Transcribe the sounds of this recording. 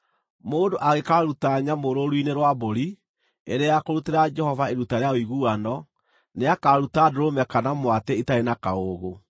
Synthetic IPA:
moːndoʔaɣekaɾutaɲamoɾoɾwineɾwaboɾi | eɾeakoɾuteɾad͡ʒɛhɔvaeɾutaɾeaoiɣuːanɔ | neakaɾutadoɾomɛkanamwateitaenakaoɣo

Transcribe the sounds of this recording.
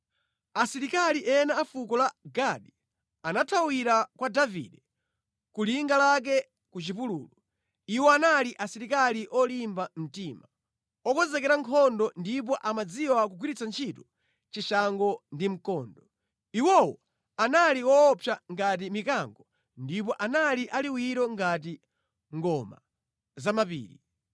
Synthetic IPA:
asiɾikaliʔɛnaːfukɔlaɡaɗi | anatʰawiɾakwadavḭɗɛ | kuliŋɡalak̬ɛ | kut͡ʃipuluːlɔ | iwɔanaliʔasiɾikaliʔɔlimbam̩tima | ɔkɔzɛkɛɾaŋkʰɔndɔndip̬ɔʔamad͡ziwak̬uɡwiɾit͡sant͡ʃʰitu | t͡ʃiʃaŋɡɔndim̩kɔːndɔ | iwɔwɔ | analiwɔːpʰjaŋɡatimikaŋɡɔ | ndip̬ɔʔanaliʔaliwiɾɔŋɡat̬i | ŋɡɔma | zamapḭːɾi

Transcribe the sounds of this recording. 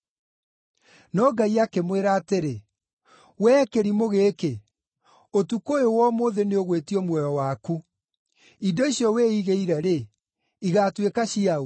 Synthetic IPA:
nɔːɡaiakemweɾaːteɾe | wɛːkeɾimoɣeːke | otukojowɔmoːðeneoɣwetiɔmwɛjɔwaku | idɔisiɔweːiɣeiɾɛɾe | iɣaːtwekaɕiao

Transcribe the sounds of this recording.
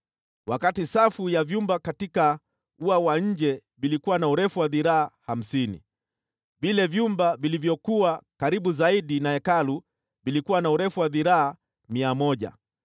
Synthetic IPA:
wakatisafujavjumbakatika | uawaɲ̩d͡ʒɛvilikuwanauɾɛfuwaðiɾaːham̩sinḭ | vilɛvjumbavilivjɔkuwakaɾiɓuzaiɗinaɛkalu | vilikuwanauɾɛfuwaðiɾaa | miamɔʄa̰

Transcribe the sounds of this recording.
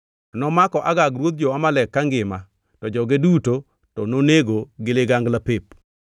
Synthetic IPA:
anɔmakɔʔaɡaɡɾwot̪̚d͡ʒɔamalɛkːaŋɡɪma | tɔd͡ʒɔɡeduto | tɔnoneɡoɡɪlɪɡaŋɡlapep̚

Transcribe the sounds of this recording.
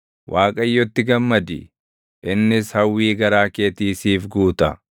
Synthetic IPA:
wʔaːkʼɐjːɔt̪ːɪɡɐmːɐd̪ɪ̰ | ʔɪnːɪshɐwːiːɡɐɾaːke̞ːt̪iːsiːfɡuːt̪ɐ

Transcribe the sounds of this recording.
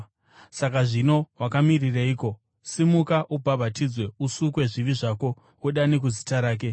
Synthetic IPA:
sakaʐino̞wakamiriraiːko̞ | simukaʔubʱabʱatid͡zwe̞usukwe̞ʐiʋiʐako̞ | wuɗanek̬uzi̥taɾaːk̬e̞

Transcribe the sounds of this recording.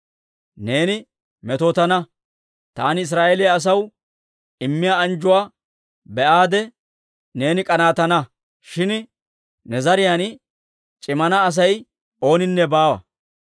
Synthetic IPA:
ne̞ːnɪ | mɛt̪oːt̪ɐnɐ | t̪aːnɪɪs̬ɾaːʔelɪjaːs̬ɐw | ɪmːɪjaːɐnd͡ʒʊwaː | bɛʔaːd̪ɛ | ne̞ːnɪkʼɐnaːt̪ɐnɐ | ʃɪn | nɛzɐɾɪjan | t͡ʃʼɪmɐnɐːs̬ɐj | o̞ːnɪnːɛbaːwɐ̰

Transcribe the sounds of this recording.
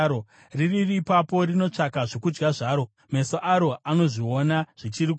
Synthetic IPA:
o | riririːpapo̞rino̞t͡ʂakaʐo̞kud͡ʒɡaʐaːɾo̞ | me̞soʔaɾo̞ano̞ʐio̞naʐ̥it͡ʃirik

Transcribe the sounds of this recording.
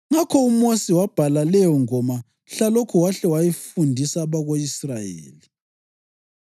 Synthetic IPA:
ŋakʰɔumosiwab̥ʱalalɛjɔŋɔma | ɬalokʰuwaɬɛwajɛfundʱisaβaɣoisrajḛːli

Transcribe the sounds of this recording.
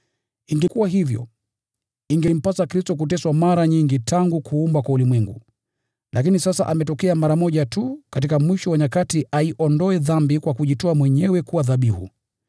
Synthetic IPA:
iŋɡɛkuwaɦivjɔ̰ | iŋɡɛm̩pasakɾistɔk̬utɛswamaɾaɲiŋɡitʰaŋɡukʰuumbakwaulimwɛŋɡṵ | lʔak̬inisasaʔamɛtɔkɛamaɾamɔʄatukat̬ikamwiʃɔwaɲakatiʔaiʔɔndɔɛðambikwakuʄitɔamwɛɲɛwɛkuwaðaɓihṵ

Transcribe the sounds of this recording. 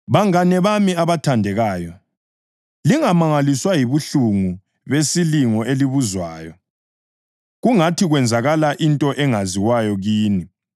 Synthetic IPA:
βaŋanɛβamiaβatʰandʱɛɣaːjɔ | liŋamaŋaliswajiβuɬuŋu | βesiliŋɔeliβuzwaːjɔ | ɣuŋatʰiɣwɛnd͡zʱaɣalaʔintʼɔʔɛŋaziwajɔɣiːni

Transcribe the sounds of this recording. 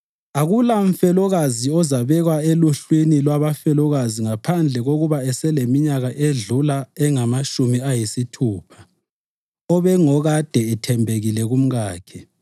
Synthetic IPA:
aɣulaɱ̩fɛlɔɣaziɔzaβɛɣwaeluɬwinilwaβafɛlɔɣaziŋapʰand͡ɮʱɛɣoɣuβaɛsɛlemiɲaɣaʔeɮulaɛŋamaʃumiajisitʰuːpʰḁ | ɔβɛŋɔɣad̥ʱɛɛtʰɛmbʱeɣilɛɣum̩ɣaːkʰɛ

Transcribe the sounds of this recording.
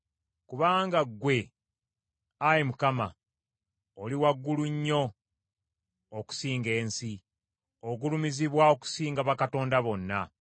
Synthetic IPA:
kuβaːŋɡaɡwe̞ | ajemukama̰ | oliwaɡːuluɲːo̞ | ku̥siːŋɡe̞ːnsi | oɡulumiziβwao̞ku̥siːŋɡaβakato̞ːndaβo̞nːa

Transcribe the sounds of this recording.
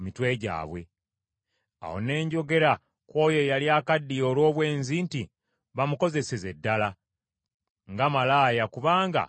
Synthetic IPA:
mitwe̞ːɟa̰ːβwe̞̰ | a̰ho̰ne̞ːɲɟo̞ɡe̞ɾa | kwo̞ːjojaliaːkadːio̞lwo̞ːβwe̞ːnzinti | βamuko̞ze̞seze̞dːala | ŋɡamalaːjakuβaːŋɡa̰

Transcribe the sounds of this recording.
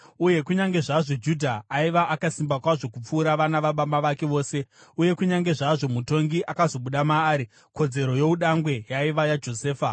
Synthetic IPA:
uje̞kuɲaŋɡe̞ʐaʐo̞d͡ʒudʱaːiʋaʔakasimbakwaʐo̞kup͡fuːɾaʋanaʋaɓamɓaʋake̞ʋo̞ːse̞uje̞kuɲaŋɡe̞ʐaʐo̞muto̞ŋɡiʔakazo̞ɓuɗamaːɾi | ko̞d͡ze̞ɾo̞je̞uɗaŋɡwe̞jaiʋajad͡ʒo̞se̞ːfa

